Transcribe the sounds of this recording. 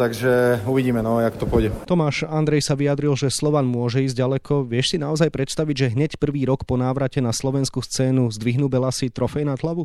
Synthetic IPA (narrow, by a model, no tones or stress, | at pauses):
t̪aɡʒɛuʋiɟiːmɛnɔakt̪ɔpɔjɟɛt̪ɔmaːʃand̪ɾɛjsaʋijad̪ɾilʒɛslɔʋanmʊɔʒɛiːzɟalɛkʰɔʋɪɛʃsinaɔzajpɾɛt̪st̪aʋiɟʒɛɦɲɛcpr̩ʋiːɾɔkpɔnaːʋɾacɛnaslɔʋɛnskust͡sɛːnuzd̪ʋiɦnuːbɛlasit̪ɾɔfɛjnat̪laʋu